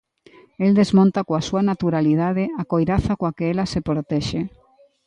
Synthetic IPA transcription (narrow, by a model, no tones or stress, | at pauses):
eld̪ezmõnt̪akoasuanat̪uɾaliðaðeakojɾaθakoakeelasepɾot̪ɛʃe